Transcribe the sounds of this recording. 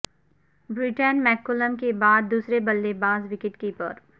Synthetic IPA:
bɾɪʈənmɛːkʊləmkebaːd̪̚ːuːsɾebɐlːebãːzʋɪkɪʈkipəɾ

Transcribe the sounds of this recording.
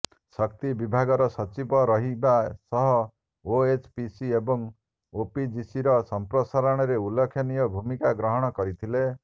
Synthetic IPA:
sɔk̚t̪ibibʱaɡɔɾɔsɔt͡ʃibɔɾɔɦibasɔɦɔ | oet͡ʃpisiebɔŋ | opid͡ʒisiɾɔsɔmpɾɔsaɾɔɽ̃ɔɾeulekʰjɔnijɔbʱumikaɡɾɔɦɔɽ̃ɔkɔɾit̪ʰile

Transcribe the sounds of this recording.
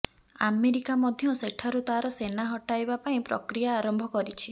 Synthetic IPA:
a̰meɾikamɔd̪ʱjɔseʈʰaɾut̪aɾɔsenaɦɔʈajbapaĩpɾɔ̰kɾijaːɾɔmbʱɔkɔɾit͡ʃʰi

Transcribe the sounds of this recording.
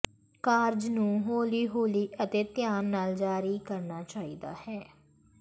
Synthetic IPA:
kaːɾd͡ʒnũːɦoːliːɦoːliːʔət̪eːt̪ɪjaːnnaːld͡ʒaːɾiːkəɾnaːt͡ʃaːiːd̪a̰ːhɛː

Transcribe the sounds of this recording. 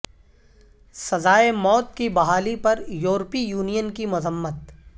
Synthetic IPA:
sɐzaːemɔːt̪̚kibɐɦaːlipɐɾjuːɾpijuːnijənkimʊzəmːət̪̚

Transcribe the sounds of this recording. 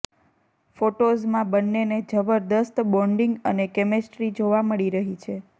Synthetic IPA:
foʈozmãbənːened͡ʒəbəɾd̪əst̪bɔ̃ɳɖiŋɡənekemesʈɾid͡ʒoʋaməɭiɾəɦit͡ʃʰe

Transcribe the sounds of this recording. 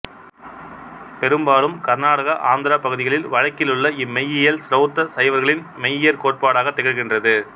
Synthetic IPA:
pɛɾɯmbaːlɯmkɐɾnaːɽɐɣɐʔaːnd̪ɪɾapɐɣɯðɪɣɐɭɪlʋɐɻɐkːɪlɯɭːɐɪmːɛjːɪjɐlsɪɾɐːt̪ːɐsɐjʋɐɾɣɐɭɪn | mɛjɪjɐɾkoːʈ̚paːɽaːɣɐt̪ːɛɣɐɾɣɪndrɐðɯ

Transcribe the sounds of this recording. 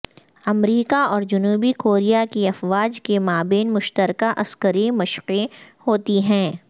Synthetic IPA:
ɐmɾiːkaɔːɾd͡ʒʊnuːbikoːɾijakiɐfʋaːd͡ʒkemaːbeːnmʊʃt̪əɾkaʔɐskəɾimɐʃqehoːt̪iɦɛ̃ː

